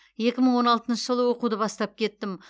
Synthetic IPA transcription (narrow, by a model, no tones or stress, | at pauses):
je̞kʲɪməɴwo̞nɑlˠt̪ənʃəʒəlˠəwo̞qud̪əbɑst̪ɑp̚kʲʰe̞t̪ːɪm